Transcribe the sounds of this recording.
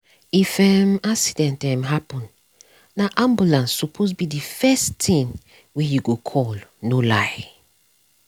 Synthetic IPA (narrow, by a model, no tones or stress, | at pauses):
ifɛmaksidɛ̃ntãmɦapɔ̃nː | aʔãmbulãnsːupʰos̬bidifɛstĩŋ | wɛjuɡokʰɔlnolaɪ